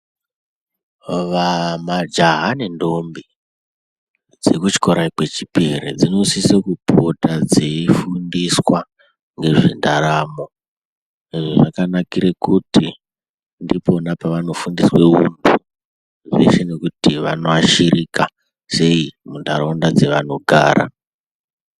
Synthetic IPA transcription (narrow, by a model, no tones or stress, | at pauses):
ʋamad͡ʒaɦanendo̞mbi | d͡ze̞kut͡ʃi̥ko̞ɾaikwet͡ʃipiɾḭd͡zinousisekupotad͡ziifundiswa | ŋɡe̞ʐindaɾamo | iʐoʐakanakiɾekutʰi | ndipo̞napaʋano̞fundiswe̞ṵndʰuu | ʐe̞̰ʃe̞ne̞kutiʋano̞aʃiɾika | se̞imunda̰ɾaundad͡ze̞ʋano̞ɡʱa̰ːɾa̰